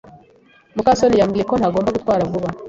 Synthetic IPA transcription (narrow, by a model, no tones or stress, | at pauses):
mukasonijamɡiːje̞ko̞n̥haɡoːmbaɡut̪kwaːɾavuβa